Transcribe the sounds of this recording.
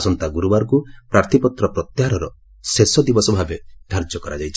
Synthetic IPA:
sɔnt̪aɡuɾubaɾkupɾaɾt̪ʰipɔt̪ɾɔpɾɔt̪jaɦaɾɔɾɔ | sesɔd̪ibɔsɔbʱabed̪̥ʱaɾd͡ʒɔkɔɾad͡ʒajt͡ʃʰ

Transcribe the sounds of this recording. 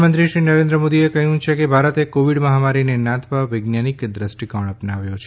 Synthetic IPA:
mənt̪ɾiʃɾinəɾẽnd̪ɾəmod̪iekəɦũt͡ʃʰekebʱaɾət̪ekoʋiɽməɦamaɾinenãt̪ʰʋaʋəjɡnjanikd̪ɾəsʈikəɳ̃əpnaʋjot͡ʃʰ

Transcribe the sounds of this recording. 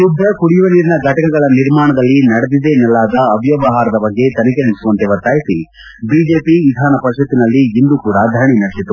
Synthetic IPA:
ud̪ʱɾɐkuɽijuʋɐniːɾinɐɡʱɐʈɐkɐɡɐɭɐniɾmaːɳɐd̪ɐlːinɐɽed̪id̪enɛlːaːd̪ɐːbjɐʋɐɦaːɾɐd̪ɐbɐɡːe̞t̪ɐnɐkeɦɐmisuʋɐnt̪eʋɐɾt̪aːjit̪i | biːd͡ʒeːpiʋid̪ʱaːnɐpɐɾʃɐt̪ːinɐlːiːnd̪ukuːɽad̪ʱɐɾɳinɐɽesit̪ːu

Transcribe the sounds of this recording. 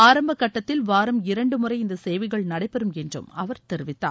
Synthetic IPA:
aːɾɐmbɐkːɐʈːɐt̪ːɪlʋaːɾɐmɪɾɐɳɖɯmʊrɐɪɪnd̪ɐseːʋɪɣɐɭnɐɽɐɪpːɛɾɯmɛndrɯ̰mɐʋɐɾt̪ɛɾɯʋɪt̪ːaː

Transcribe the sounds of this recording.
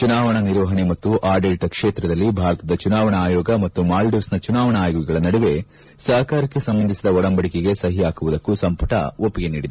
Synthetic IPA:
t͡ʃunaːʋɐɳɐniɾʋɐɦɐɳemɐt̪ːuʔaːɖelʈɐkʂeːt̪ɾɐd̪ɐlːibʱaːɾɐt̪ɐd̪ɐt͡ʃunaːʋɐɳaːjɔːɡɐmɐt̪ːumaːlɖusnɐt͡ʃunaːʋɐɳɐaːjɔɡɐɡɐɭɐnɐɽɛʋe̞ | saːkaːɾɐkːe̞sɐmbɐnd̪isid̪ɐɔɽɐmbɐɽikeɡe̞sɐɦijaːkuʋud̪ɐkːusɐmpɐʈɐ̰opːiɡenḭːɖid̪

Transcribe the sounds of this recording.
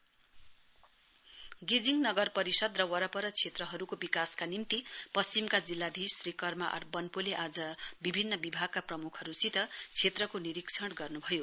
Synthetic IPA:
ɡid͡ziŋnʌɡʌrpʌɾisʌd̪rʌwʌɾʌpʌɾʌt͡sʰet̪rʌɦʌɾukobikaskanimt̪ipʌst͡simkad͡zilːad̪ʱisrikʌrmaʔʌ̰rbʌnpuleʔad͡zʌbibʱinːʌbibʱaɡ̚kaprʌmukʰʌɾusit̪ʌt͡sʰet̪rʌkoniɾiksʰʌɽɡʌrnubʱʌjo

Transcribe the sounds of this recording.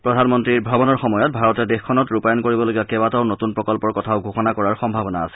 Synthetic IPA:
pɹɔdʱanmɔntɹiɹbʱabɔnɔɹxɔmɔjɔt̚bʱaɹɔtɛdexkʰːɔnɔtɹupajɔnkoɹibɔloɡijakɛbataʊnotunpɹɔkɔlpɔɹkɔtʰaʊɡʱoxɔnakɔɹaɹxɔmbʱabɔnaːsɛ

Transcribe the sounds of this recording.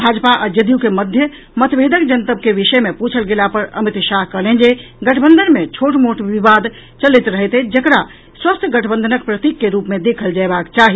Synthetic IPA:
bʱad͡ʒpaʔad͡ʒəd̪ijukeməd̪ʱjə | mət̪bʱed̪əkd͡ʒənt̪əb̚keʋiʃəmeput͡ʃʰəlɡelapəɾə̰mit̪ʃaɦkəɦlend͡ʒe | ɡəʈʰəbənd̪ənmet͡ʃʰoʈmoʈʋiʋad̪ | t͡ʃəlit̪ɾəɦɛt̪ed͡ʒəkɾa | swəst̪ʰjəɡəʈʰbənd̪ənəkpɾət̪ikːeɾupmed̪ekʰəld͡ʒaebakt͡ʃaɦi

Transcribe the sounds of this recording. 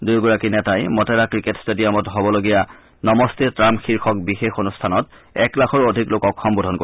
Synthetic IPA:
dujɡɔɹakinɛtajmɔtɛɹakɹiketstedijɔmɔtɦobɔloɡija | nɔmɔstetɹamxiɹxʰɔk̚bixexonustʰanɔt | ɛ̰klaxʰɔɹodʱiklokɔkʰːɔmbodʱɔnko

